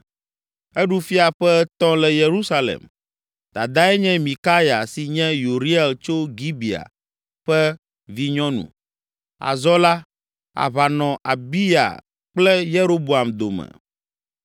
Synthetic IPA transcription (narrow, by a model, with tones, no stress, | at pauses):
ɛ˦ɖu˦fi˦a˨ɸɛ˦t̪ɔ̃˦lɛ˨je˨ɾu˦sa˦lḛ˨m | d̪a˨d̪a˦ɛ˦ɲɛ̃˦mĩ˨ka˦ja˨si˨ɲɛ̃˦ju˨ɾi˦ɛ˨lt͡ʃo˦ɡi˦bi˨a̰˨ | ɸɛ˦ | vi˦ɲɔ̃˦nṵ̃˨ | a̰˨zɔ˦la˦ | a̰˨βa˨nɔ̃˨ʔa̰˨bi˦ja̰˨ | k͡plɛ˦je˦ɾo˦bo˨a˨md̪o˨mɛ̰̃˨